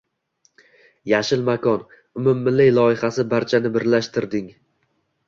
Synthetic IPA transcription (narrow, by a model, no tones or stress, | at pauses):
jaʃɪlmakʰɒn | ʊmʊmːɪlɪjlˠɒɪhasɪbaɾt͡ʃʰanɪbɪɾlaʃt̪ʰɪɾd̪ɪŋ